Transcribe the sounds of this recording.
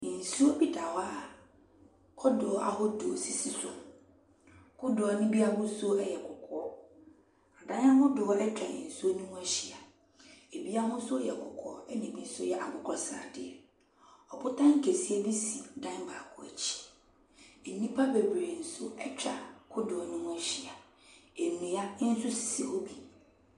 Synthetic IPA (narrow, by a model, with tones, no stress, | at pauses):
n̩˨su˦o˦bi˦da˨wa˦˨ | kʰɔ˦dʊ˨ɔ˦a̰˨ɦɔ˦dʊ˨o˨si˦si˦sʊ˦˨m | kʰʊ˦dʊ˨ɔ˨nʊ̃˦bi˦a˦ɡʊ̃˦sʊ˦ɛ˦jɛ˨kʰʊ˨kʰɔ˦ | a˨dã˦nã˦hʊ̃˦dʊ˨ɔ˦ɛ˦t͡ɕᶣa˨ɪ̰̃˨n̩˨su˦o˦nũ˦w̃ɛ˦ɕi˨a˨ | e˨bi˦a˦hʊ̃˦sʊ˦jɛ˨kʰʊ˨kʰɔ˦ɔ˦ɛ˦nĩ˨bi˦sʊ˦jɛ˨ʔa˨ɡʊ˦kʰɔ˦sa̰˨ɾdɪ̰˨ɛ̰˨ | ɔ˨pʊ˦tã˦ŋ̩˦kʰe˨si˦e˦bi˦sĩ˨dã˦ba˨kʰʊ˨ɛ̰˨t͡ɕʰi̥˦ | e˨˦nĩ˦pʰa˦be˨bɾe˨n̩˨sʊ˦ɛ˦t͡ɕᶣa̰˨kʰʊ˦dʊ˨ɔ˨nʊ̃˦mʊ̃˦ɛ˦ɕi˨a˨ | e˨mĩ˨a˦n̩˦sʊ˦ssi˨o˦bi˨